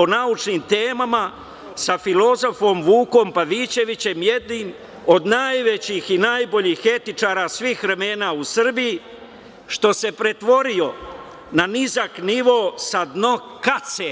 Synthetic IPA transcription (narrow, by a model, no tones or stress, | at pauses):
onaut͡ʃnimt̪eːmama | safilo̞zo̞fo̞mʋuːko̞mpaʋiːt͡ɕe̞ʋit͡ɕe̞mje̞d̪nim | o̞d̪najʋet͡ɕixinajbo̞ʎiːxe̞t̪it͡ʃaːɾasʋiːxʋɾeme̞ːnaːusr̩biji | ʃt̪o̞se̞pɾe̞t̪ʋo̞ɾio̞ | nanizakniʋo̞sad̪no | kat̪se